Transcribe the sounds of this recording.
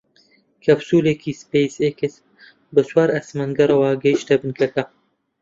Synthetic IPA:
kʰɐbsuːleːkʰiːspejseːkes | bɐswaːɾɐsmɐnɡɐɾɐwaːɡɐiʃt̪ɐbɨnkʰɐkɐ

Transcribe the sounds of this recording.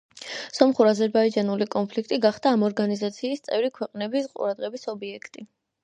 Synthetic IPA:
sɔmχuɾazɛɾbaid͡ʒanulikʼɔnpʰlikʰt̪ʼiɡaχd̪̥aːmɔɾɡanizat̪sʰiːst̪sʼɛvɾikʰwɛqʼnɛbisqʼṵɾad̪ʁɛbisɔbiɛkʰt̪ʼi

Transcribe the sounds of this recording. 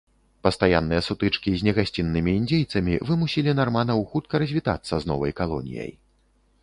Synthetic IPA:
pɐst̪aja̰nːɨjɛsut̪ɨt͡ʂkʲizʲnʲɛɣasʲt͡sʲinːɨmʲiːnd͡zʲejt̪sɐmʲivɨmusʲilʲinarmanɐwxut̪̚kɐɾɐzʲvʲit̪a̰t̪sːɐznɔ̰vɐ̰jkalˠɔ̰nʲḭjɐ̰j

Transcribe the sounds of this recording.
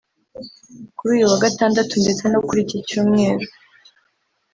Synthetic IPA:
kuɾuːjuwaɡataːndatunde̞t͡se̞nokuɾiciicuːmŋe̞ːɾo

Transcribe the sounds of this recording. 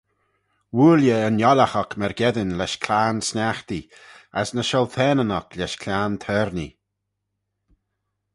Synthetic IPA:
wuːljəənjɔlaxɔkmɛɹɡɛðɪnlɛʃkʰlaːnsnaxt̪iasnəʃɔlt̪ʰɛːnənɔklɛʃkʰlʲaːnt̪ʰɛɾni

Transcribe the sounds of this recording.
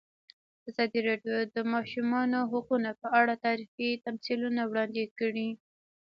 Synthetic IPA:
azɑd̪iɾɑɖjod̪əmɑʃumɑnoɦʊqunapəʔaɽat̪ɑɾixit̪amsilunawɽɑnd̪ekəɽi

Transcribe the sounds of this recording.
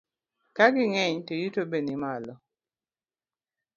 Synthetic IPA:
kaɡɪŋɛɲtojutobenimalɔ

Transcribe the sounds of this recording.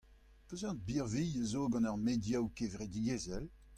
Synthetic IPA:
pøzɑ̃t̪̚biʁvijəzoːɡɑ̃nœʁmedjawkevʁed̪iɡezɛl

